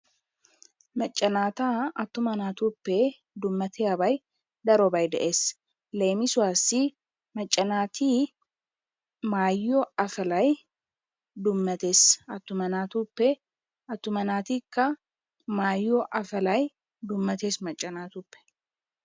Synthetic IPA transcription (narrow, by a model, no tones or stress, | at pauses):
mɐt͡ʃʼːɐnaːt̪aːɐt̪ːʊmɐnaːt̪uːpːe | d̪ʊmːɐt̪ʰeɐbɐj | d̪ɐɾɔbɐjd̪ɐʔe̞ːs | leːmɪsʊwaːsi | mɐt͡ʃʼːɐnaːt̪ʰiː | maːjːoːɐfɐlɐj | d̪ʊmːɐt̪eːsɐt̪ːʊmɐnaːt̪uːpːe | ɐt̪ːʊmɐnaːt̪iːkːɐ | maːjːoːʔɐfɐlɐj | d̪ʊmːɐt̪eːsmɐt͡ʃʼːɐnaːt̪uːpːɛ̥